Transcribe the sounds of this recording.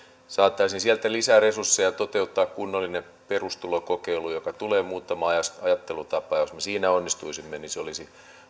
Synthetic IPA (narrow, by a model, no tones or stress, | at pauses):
sɑːt̪ːɑisinsiælt̪ælisæːresursːejɑt̪ot̪e̞ut̪ːɑːkkunːolːine | pe̞rust̪ulokokeilujokɑt̪uleːmuːt̪ːɑmɑjɑsɑjɑt̪ːelut̪ɑpːˑɑːjosmesiːnæonːist̪uisimːeniseolisi